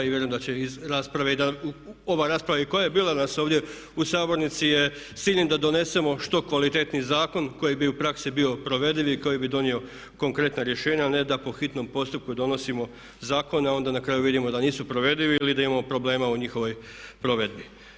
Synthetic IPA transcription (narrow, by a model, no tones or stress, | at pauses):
iʋjeɾoːmd̪at͡ɕe̞izɾaːspɾaʋeid̪ao̞ʋaɾaːspɾaʋaiko̞jajebiːlanaso̞ːʋd̪je̞ | usaːboɾnit̪sije | siːʎʲnid̪ad̪o̞ne̞se̞mo̞ʃt̪o̞kʋalit̪e̞t̪nizaːko̞nko̞jibiupɾaksibio̞pɾo̞ʋe̞d̪iʋiko̞jibid̪o̞nio̞ | ko̞ŋkɾe̞t̪naɾje̞ʃe̞ːɲaːne̞d̪apo̞xit̪no̞mpo̞st̪up̚kud̪o̞no̞simo̞ | zaːko̞neao̞nd̪anakɾaːjuʋid̪imo̞d̪aniːsupɾo̞ʋe̞d̪iʋiilid̪aimamopɾo̞ble̞ːmauɲixo̞ʋo̞jpɾo̞ʋe̞d̪bi